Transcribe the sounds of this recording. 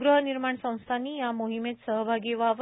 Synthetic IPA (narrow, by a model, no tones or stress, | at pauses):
ɡɾəɦəniɾmaɳsə̃w̃st̪ʰanijamoɦimet̪səɦbʱaɡeʋaʋ